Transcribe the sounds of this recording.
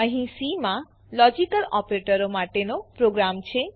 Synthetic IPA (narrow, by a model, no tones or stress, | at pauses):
əɦĩsimã | lɔd͡ʒikəlɔpɾeʈəɾomaʈenopɾoɡɾamt͡ʃʰe